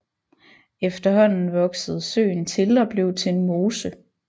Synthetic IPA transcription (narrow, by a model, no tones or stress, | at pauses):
efd̥ɐɦɒ̽n̰n̩ʋɒ̽ɡ̥səð̞̩ˠsø̰ːnt͡sʰe̝lɒ̽b̥le̝ʊ̰t͡sʰe̝enmo̝ːsə